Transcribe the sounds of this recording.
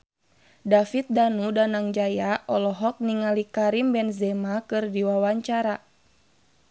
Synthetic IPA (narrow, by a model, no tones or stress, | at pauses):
dafit̪̚danudanaŋd͡ʒajaʔɔlɔɦɔk̚niŋalikaɾimbɛnzɛmakɨrdiwawaɲt͡ʃaɾa